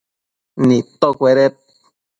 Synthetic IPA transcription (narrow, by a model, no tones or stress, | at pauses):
nit̪okʷeɾet̪̚